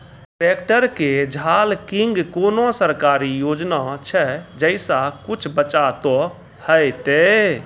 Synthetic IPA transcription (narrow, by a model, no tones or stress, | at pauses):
ʈɾekʈəɾked͡ʒʱalkiŋɡkonosəɾkaːɾijoːd͡ʒnat͡ʃʰɛd͡ʒəɪsakut͡ʃʰbət͡ʃat̪ɔ | həjt̪e